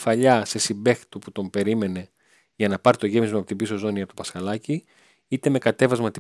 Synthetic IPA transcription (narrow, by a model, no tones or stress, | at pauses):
fɐʎɐse̞simbe̞xi̥t̪oput̪o̞mpe̞ɾime̞ne̞ | ʝɐnɐpɐɾt̪o̞ʝe̞mizmɐpo̞t̪ibisozo̞niɐpot̪opɐsxɐlɐci | it̪e̞me̞kɐt̪e̞vɐzmɐt̪i